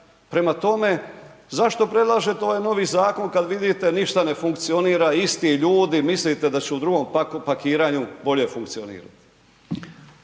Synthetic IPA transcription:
pɾe̞mat̪o̞me̞zaʃt̪o̞pɾed̪lˠaʒe̞t̪eo̞ʋajno̞ʋizaːko̞nkad̪ʋid̪it̪e̞niʃt̪ane̞fuŋkt̪sio̞niːɾaist̪iʎuːd̪imislit̪e̞d̪at͡ɕɛud̪ɾuɡo̞mpakiːɾaːɲubo̞ʎe̞fuŋkt̪sionḭːɾa̰t̪i̥

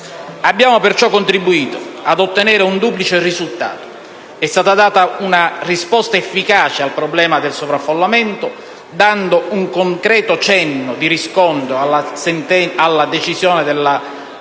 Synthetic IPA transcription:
abːjaːmopɪrt͡ʃɔkːont̪ɾibuiːt̪oad̪ot̪ːenɛːɾɪund̪uːplit͡ʃerizult̪a̰ːt̪o̥ | ɛst̪aːt̪ad̪aːt̪aunarispɔst̪aefːikaːt͡ʃealpɾoblɛːmad̪elsovɾafːolːament̪ʊ | d̪and̪ouŋkoŋkɾɛːt̪ot͡ʃɛnːʊd̪iɾiskɔnt̪ɾoalːasɛnt̪ɛalːad̪et͡ʃizjɔːnɪd̪elːa

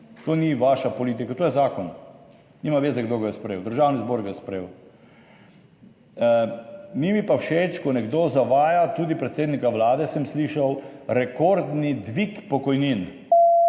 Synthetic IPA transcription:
t̪oːniʋaʃapɔliːt̪̬ikat̪oːjɛzaːkɔn | nimaʋeːzaɡd̪oɡajɛspɾeːwd̪əɾʒaːwnizboːɾɡajɛspɾeːw | mimipawʃet͡ʃkɔnɛɡd̪oːzaʋaːjat̪ud̪ipɾɛt̪seːd̪nikaʋlaːd̪ɛsəmsliːʃawɾɛkoɾd̪nid̪ʋikpɔkɔjnin

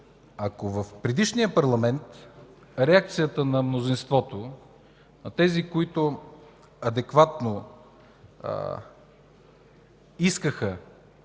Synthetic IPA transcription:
ɐkovəfpɾɛd̪iʃnijəpɐɾlˠɐmɛnt̪ | ɾɛak̚t̪sijət̪ənɐmnozinst̪vɔt̪o | nɐt̪ɛzikoit̪ʊ | ɐd̪ɛkvat̪no | iskəxə

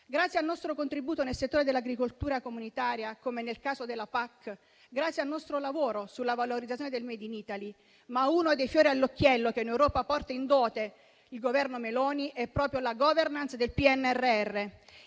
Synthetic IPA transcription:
ɡɾat̪sjealnɔst̪ɾokont̪ɾibuːt̪onelset̪ːoːɾed̪elaɡɾikolt̪uːɾakomunit̪aːɾjakomenelkaːzod̪elːapakː | ɡɾat̪sːjalnɔst̪ɾolavoːɾosulːavaloɾid̪zːat̪ːjoned̪elmɛːd̪iniːt̪ali | maunod̪ejfjoːɾialːokːjɛlːok̟einewɾɔːpapɔrt̪aind̪ɔːt̪e | ilɡovɛrnomelɔːniʔɛpːɾɔːpɾjolaɡɔvernansd̪elpiɛnːɛrːeɛrːe

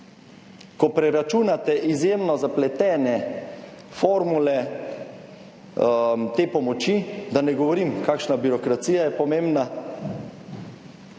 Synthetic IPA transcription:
kɔpɾɛɾat͡ʃuːnat̪ɛʔizjemnɔzaplɛt̪ɛːnɛ | foɾmulɛ | mt̪eːpɔmɔt͡ʃid̪anɛɡɔʋɔɾimkaːkʃnabiɾɔkɾat̪siːjajɛpɔmẽmbna

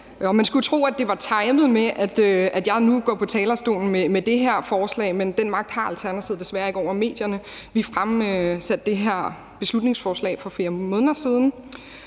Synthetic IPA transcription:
ɒ̽mænsɡ̥ut͡sʰʁo̝̰ːæd̥e̝ʋɑ̈t͡sʰɑ̈ɪmð̞̩ˠmeʔæd̥øæd̥jɑ̈ɪnuɡ̥ɒ̰ːpʰɒ̽t͡sʰɛːlɐsd̥o̝̰ːln̩memed̥e̝ɦeɐ̰fɒːslɛ̰ːɪmend̥enmɑ̈ɡ̥̚d̥hɑ̈ælt͡sʰæɐnæt͡sʰið̩ˠd̥e̝sʋæɐe̝ɡ̥əɒʊ̰ɐme̝̰ːd̥jɐnə | ʋifʁamsæd̥ːe̝ɦeɐ̰ | b̥e̝slud̥ne̝ŋsfɒːslɛ̰ːɪfɒ̽feːɐmɔ̽ːn̩ðɐsiːð̞ˠn̩

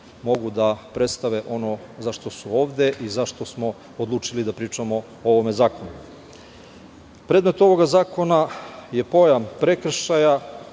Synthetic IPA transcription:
mo̞ɡud̪apɾe̞t̪st̪aʋeʔo̞no̞ | zaʃt̪o̞suo̞ːʋd̪e̞ʔizaʃt̪o̞smo̞ | od̪lˠuːt͡ʂilid̪apɾiːt͡ʂamo̞ | oʋo̞me̞zaːkonu | pɾe̞d̪me̞t̪o̞ʋo̞ɡazaːko̞naje̞po̞jampɾe̞kr̩ʃaja

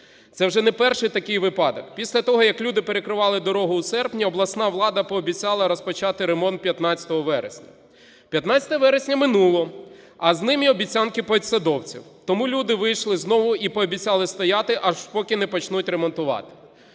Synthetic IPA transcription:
t̪sɛwʒɛnɛpɛrʃɪjt̪ɐkɪjʋɪpɑd̪ɔkpʲisʲlʲɐt̪ɔɦɔjɐklʲud̪ɪpeɾekɾɪʋɑlˠɪd̪ɔɾɔɦʊusɛrpnʲiɔblˠɐsnɑʋlˠɑd̪ɐpɔːbʲit͡sʲɑlˠɐɾɔspɔt͡ʃɑt̪ɪɾemɔnt̪̚pʲjɐt̪nɑt͡sʲɐ̥t̪ɔɦɔʋɛɾḛsʲnʲɐ | pʲjɐt̪nɑt͡sʲɐt̪ɐʋɛɾesʲnʲɐmɪnulˠɔ | ɐznɪmiɔbʲit͡sʲankɪpɔet̪ʲsɐd̪ɔwt͡sʲḭwt̪ɔmulʲud̪ɪʋɪjʃlˠɪznɔʋʊipɔːbʲit͡sʲalˠɪst̪ɔjɑt̪ɪʔɐʒpɔkʲɪnɛpɔt͡ʃnutʲɾemɔnt̪ʊʋɑ̰t̪ɪ̥

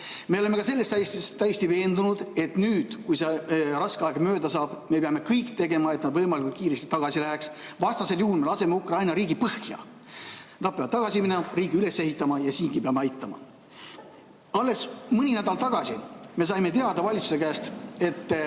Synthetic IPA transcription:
me̞ole̞mekɑse̞lːest̪æst̪st̪æjest̪ive̞ːnd̪unud̪̥e̞t̪nyːd̪̥kujserɑskeɑeɡɑmøːd̪ɑsɑːb̥me̞peɑme̞kɤjkt̪e̞ɡe̞mɑe̞t̪nɑd̪vɤjmɑlʲikult̪kiːɾe̞st̪i̥t̪ɑɡ̥ɑsilæɦeksvɑst̪ɑse̞ljuhulme̞lɑse̞meukrɑjnɑɾiːɡipɤhkjɑ̰ | t̪ɑd̪̚peɑb̥̚t̪ɑɡ̥ɑsiminːɾiːɡiyle̞se̞hit̪ːˑɑmɑjɑsiːŋɡipeɑmeɑjt̪ːˑɑmɑ̰ | ɑlːe̞smɯnʲinæd̪ɑlt̪ɑɡ̥ɑsime̞s̬ɑjme̞t̪eɑd̪ɑvɑlʲit̪su̥se̞kæːst̪e̞t̪ː

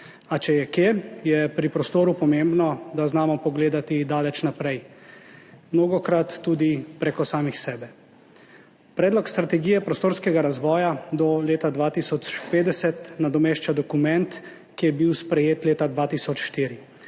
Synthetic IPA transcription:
at͡ʃɛjɛkejɛpɾipɾɔst̪oːɾupɔmembnɔd̪aznaːmɔpɔɡleːd̪at̪id̪aːlɛt͡ʃnapɾɛj | mnoːɡɔkɾat̪ːuːd̪ipɾɛkɔsaːmixsɛːbɛ | pɾɛːd̪lɔkst̪ɾat̪ɛɡiːjɛpɾɔst̪oːɾskɛɡaɾazʋɔːjad̪ɔleːt̪ad̪ʋaːt̪isɔt͡ʃpeːd̪ɛsɛt̪nad̪ɔmeːʃt͡ʃad̪ɔkumɛ̃nt̪ | kijɛbiwspɾɛjeːt̪leːt̪ad̪ʋaːt̪iːsɔt͡ʃʃt̪iːɾi

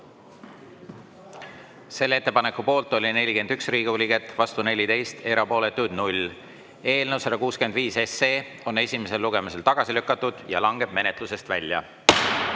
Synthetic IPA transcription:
se̞lːe̞t̪ːˑepɑne̞kːˑupo̞ːlt̪ːˑo̞lʲine̞lʲike̞nd̪yksriːɡulʲiɡe̞t̪ːˑvɑst̪une̞lʲit̪e̞jst̪e̞ɾɑpo̞ːlet̪ːˑud̪nulʲ | e̞ːlnewsɑɾɑkuːskyend̪viːse̞seː | o̞ne̞sʲime̞se̞lːuɡe̞mise̞lt̪ɑɡ̥ɑsilykːˑɑt̪ːˑud̪̥jɑ̰lɑŋɡ̥e̞b̥̚me̞ne̞t̪luse̞st̪vælʲjɑ̰

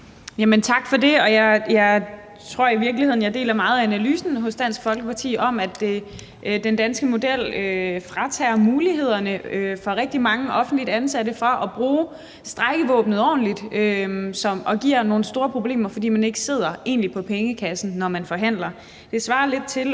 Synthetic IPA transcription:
jæmənt͡sʰɑ̈ɡ̥fɒ̽de̝ɒ̽jɑ̈ɪjɑ̈ɪ | t͡sʰʁo̝ɐ̰iʋiɐɡ̥liheð̰njɑ̈ɪd̥e̝̰ːlɐmɑ̈ːð̞̩ˠænælyːsn̩ɦɔ̽sd̥æn̰sɡ̥fɒ̽lɡ̥əpʰɑ̈t͡sʰḭːɒ̽mæd̥e̝ | d̥end̥ænsɡ̥əmo̝d̥el̰øfʁɑ̈t͡sʰɛːɐmuːliɦe̝ð̞̰ˠɐnəøfɒ̽ʁɛɡ̥̚d̥imɑ̈ŋəʔɒ̽fn̩d̥lid̥ænsæɾəfʁɑ̈ʔɒ̽b̥ʁuː | sd̥ʁaɪɡ̥əʋɔ̽ːb̥nð̩ˠɒ̰ːn̩lid̥øsɒ̽mɒ̽ɡ̥iɐ̰no̝ːn̩sd̥o̝ːɐpʰʁo̝b̥le̝̰ːmɐfɒ̽d̥ḭːmæne̝ɡ̥əse̝ð̞̰ˠɐe̝̰ːnlipʰɒ̽pʰeŋəkʰæsn̩ːɒmænfɒ̽ɦæn̰lɐ | d̥e̝sʋɑ̈ːle̝d̥̚t͡sʰe̝l

